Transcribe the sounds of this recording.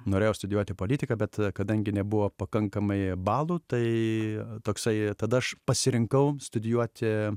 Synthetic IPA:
noːɾʲeːjɛʊst̪ʊd̪ʲjuɔt̪ʲɪpoːlʲiːt̪ʲɪkɐːbʲɛt̪kɐd̪ɐŋʲɡʲɪnʲɛbʊʋoːpɐkɐŋkɐmɐɪbɑːlˠuːt̪ɐɪt̪oːksɐɪt̪ɐd̪ɐɐʃpɐsʲɪɾʲɪŋkɐʊst̪ʊd̪ʲɪjuɔt̪ʲɪ

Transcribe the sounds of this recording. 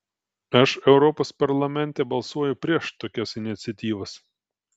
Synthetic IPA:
ɐʃɛʊɾɔpoːspɐɾlˠɐmʲɛnʲˑt̪ʲɛbɐlˠsuɔjʊpʲɾʲiɛʃt̪oːkʲɛsɪnʲɪt̪sʲɛt̪ʲiːʋɐs

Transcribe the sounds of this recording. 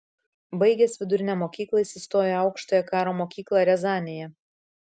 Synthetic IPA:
bɐɪɡʲɛsʲʋʲɪd̪ʊɾʲɪnʲɛmoːkʲiːklˠɐisʲɪst̪oːjɛɐʊkʃt̪oːjɛkɑːɾoːmoːkʲiːklˠɑɾʲɛzɑːnʲɪjɛ

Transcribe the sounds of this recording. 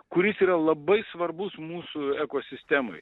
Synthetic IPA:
kʊɾʲɪsiːɾɐlˠɐbɐɪsʋɐɾbʊsmuːsʊɛkoːsʲɪsʲt̪ʲæːmɐ̰ɪ

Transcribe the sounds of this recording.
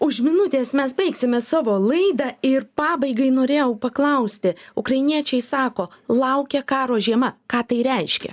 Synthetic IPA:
ʊʃmʲɪnʊt̪ʲeːsmʲɛs̬bɐɪksʲɪmʲɛsɑːʋoːlˠɐɪd̪ɑɪrpɑːbɐɪɡɐɪnoːɾʲeːjɛʊpɐklˠɐʊsʲt̪ʲɪʊkrɐɪnʲiɛt͡ʃʲɛɪsɑːkoːlˠɐʊkʲɛkɑːɾoːʒʲiɛmɐkɑːt̪ɐɪɾʲɛɪʃʲkʲɛ̰

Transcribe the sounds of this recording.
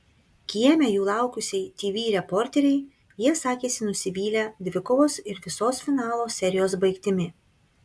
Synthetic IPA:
kʲiɛmʲɛjuːlˠɑˑʊkʊsʲɛɪt̪ʲiːʋʲiːɾʲɛpɔɾʲt̪ʲɛɾʲɛɪ | jiɛsɑːkʲeːsʲɪnʊsʲɪʋʲiːlʲæd̪ʲʋʲɪkɔʋoːsɪɾʋʲɪsoːsfʲɪnɑːlˠoːsʲɛɾʲɪjoːsbɐɪkt̪ʲɪmʲɪ

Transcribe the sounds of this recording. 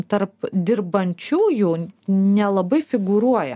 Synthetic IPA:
t̪ɐɾpd̪ʲɪɾbɐnʲt͡ʃʲuːjuːnʲɛlˠɐbɐɪfʲɪɡuɾuɔjɛ̰

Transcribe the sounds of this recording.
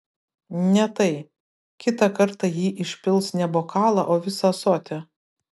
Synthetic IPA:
nʲɛt̪ɐɪ | kʲɪt̪ɑkɐɾt̪ɑjiːʔɪʃʲpʲɪlˠsnʲɛboːkɑːlˠɑ̰ʔoːʋʲɪsɑsoːt̪ʲɛ

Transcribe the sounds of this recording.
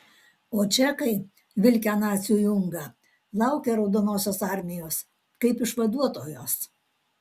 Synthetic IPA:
oːt͡ʃʲɛkɐɪ | ʋʲɪlʲkʲæːnɑːt̪ʲsʲɪjuːjʊŋɡɑ | lˠɐʊkʲeɾɐʊd̪oːnoːsʲoːsɑˑɾʲmʲɪjoːs | kɐɪpɪʃʋɐd̪uɔt̪oːjoːs

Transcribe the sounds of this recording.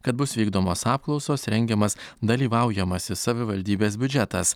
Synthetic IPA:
kɐt̪̚bʊsʋʲiːɡd̪oːmoːsɑːp̚klˠɒʊsoːsɾʲɛŋʲɡʲɛmɐsd̪ɐlʲiːʋɑˑʊjɛmɐsʲɪsɐʋʲɪʋɐlʲd̪ʲiːbʲeːs̬bʲʊd͡ʒʲɛt̪ɐs

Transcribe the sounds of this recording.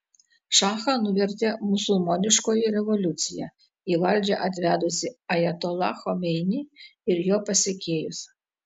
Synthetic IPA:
ʃɑːxɐnʊʋʲɛɾʲt̪ʲemʊsʊlˠmoːnʲɪʃkoːjiɾʲɛʋɔlʲʊt̪sʲɪjæ̰ | iːʋɐlʲˑd͡ʒʲɛʔɐt̪ʲʋʲæːd̪ʊsʲɪɐjɛt̪ɔlˠɑ̰xɔmʲɛɪnʲiɪɾjoːpɐsʲekʲeːjʊs

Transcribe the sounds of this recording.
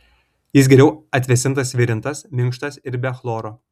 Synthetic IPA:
jɪsɡʲɛɾʲɛʊɐt̪ʲʋʲɛsʲɪnt̪ɐsʋʲɪɾʲɪnt̪ɐsmʲɪŋkʃt̪ɐsɪɾbʲɛxlˠoːɾoː

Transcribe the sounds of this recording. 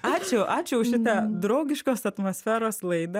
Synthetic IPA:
ɑːt͡ʃʲʊʔɑːt͡ʃʲʊʊʃʲɪt̪ɐd̪ɾɐʊɡʲɪʃkoːsɐt̪mosʲfʲæːɾoːslˠɐɪd̪ɐ

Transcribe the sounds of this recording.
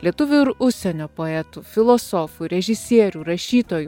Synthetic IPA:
lʲiɛt̪ʊʋʲuɪɾʊʃʲsʲɛnʲoːpoːɛt̪uːfʲɪlˠoːsoːfuːɾʲɛʒʲɪsʲiɛɾʲuːɾɐʃʲiːt̪oːju

